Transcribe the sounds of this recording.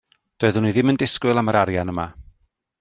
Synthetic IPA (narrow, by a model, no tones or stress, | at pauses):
d̥oɨðənwiðɪməndɪskwɪlˠaməɾaɾjanəma